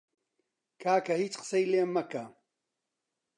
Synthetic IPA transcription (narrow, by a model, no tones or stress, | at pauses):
kʰaːkɐhiːt͡ʃqə̥sejleːmːɐkɐ